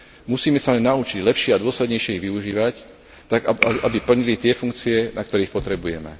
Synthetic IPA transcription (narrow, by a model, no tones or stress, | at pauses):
musiːmɛsalɛnːaut͡ʃiɟlɛpʃɪɛad̪ʊɔslɛd̪ɲɛjʃjɛiɣʋiuʒiːʋac | t̪aɡaaʔabipl̩ɲilit̪ɪɛfuŋkt͡siɛnak̚t̪ɔɾiːxpɔt̪ɾɛbujɛ̰mɛ̰